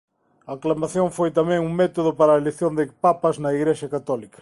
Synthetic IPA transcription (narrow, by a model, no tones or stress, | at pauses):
ɐːklamaθjõŋfojt̪amɛ̃ŋuŋmɛt̪oðʊpaɾɐeleθjõnd̪ɪpapɐznɐiɣɾeʃɐkat̪ɔlikɐ̥